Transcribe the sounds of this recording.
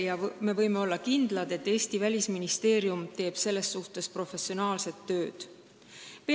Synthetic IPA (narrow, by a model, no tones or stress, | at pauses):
jɑme̞vɤ̞jme̞o̞lːɑkind̪̥lɑd̪e̞t̪ːe̞ːsʲt̪ivælʲisminist̪e̞ːɾjumt̪e̞ːb̥se̞lːe̞sːuht̪e̞spro̞fe̞sio̞nɑːlse̞t̪ːø̞ːd̪̥ | pe